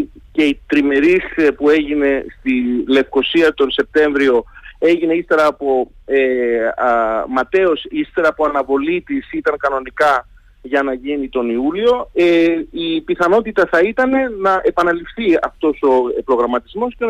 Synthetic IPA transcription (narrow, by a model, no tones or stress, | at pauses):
ce̞it̪ɾime̞ɾispue̞ʝine̞st̪ile̞fko̞siɐt̪o̞nse̞p̚t̪e̞ɱvɾio̞e̞ʝine̞ist̪e̞ɾɐːpo̞e | mɐt̪e̞o̞sist̪e̞ɾɐːpoɐnɐvo̞lit̪isit̪ɐŋkɐno̞nikɐ | ʝɐnɐʝinit̪o̞niulio̞eipiθɐno̞t̪it̪ɐθɐit̪ɐne̞nɐʔe̞pɐnɐlifθiɐ̰ft̪o̞so̞pɾo̞ɣɾɐmɐt̪izmo̞sce